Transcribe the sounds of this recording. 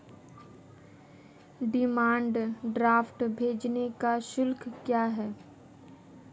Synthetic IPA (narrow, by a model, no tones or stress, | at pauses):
ɖɪmãːɳɖɖɾaːfʈbʱeːd͡ʒnekaʃʊlkkjaːɦɛː